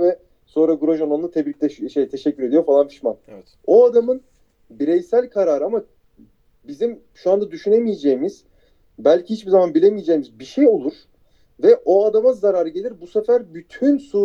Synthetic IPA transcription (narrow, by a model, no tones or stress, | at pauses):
vɛ | so̞nɾaɡuɾaʒanˠanˠat̪ʰɛbɾic̚lʲɛʃejt̪ʰe̞ʃɛcʰːyɾe̞d̪ijo̞falˠanfʰi̥ʃman | oad̪amɯn | biɾɛjsælʲkʰaɾaːɾɯama | bizim | ʃuand̪ad̪yʃyne̞mijed͡ʒejimiz̥ | bælʲcʰihit͡ʃbizamanbilʲemijed͡ʒeːmizbiʃejo̞lˠuɾ̥ | vɛʔo̞ad̪amazaɾaɾɯɟe̞lʲiɾbusefæɾbyt̪ʰynsuː